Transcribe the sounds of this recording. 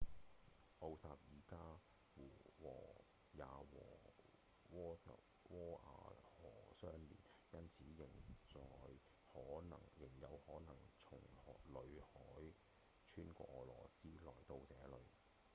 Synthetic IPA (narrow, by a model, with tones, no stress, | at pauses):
ʔo˧wsaː˨p̚jiː˨˩kaː˥ | wuː˨˩wɔː˨˩ | jaː˨wɔ̰ː˨˩ | wɔː˥kɐ̰˨p | wɔː˥ʔa̰ː˧hɔː˨˩sœː˥ŋlḭː˨˩njɐ˥nt͡sʰiː˨˥jɪ˨˩ŋt͡sɔː˨j | hɔː˨˥nɐ̰˨˩ŋjɪ˨˩ŋjɐ˨˧whɔː˨˥nɐ˨˩ŋt͡sʰʊ˨˩ŋhɔː˨lɵ˨˧ɥhɔː˨˥j | t͡ʃʰyː˥nkʷɔ̰ː˧k̚ɔː˨˩lɔː˨˩siː˥lɔː˨˩jt̪o˧wt͡sɛː˨˥lɵ˨˧ɥ